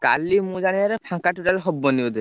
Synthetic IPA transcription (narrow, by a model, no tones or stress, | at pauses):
ka̰limũd͡ʒaɽ̃iaɾɛpʰãkaʈuʈalɦɔbːɔniɔd̪e